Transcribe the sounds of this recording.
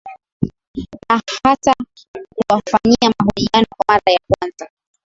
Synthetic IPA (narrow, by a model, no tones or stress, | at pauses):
nahasa | kuwafaɲiamaɦɔʄianɔkwamaɾajakwanza